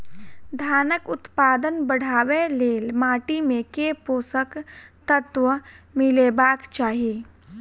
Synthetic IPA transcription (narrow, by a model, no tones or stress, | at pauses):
d̪ʱaːnəkʊt̪paːd̪ənbəɽ̤aːweleːlmaːʈimẽkepoːsəkt̪ət̪ʋəmɪleːbaːkt͡ʃaːɦieː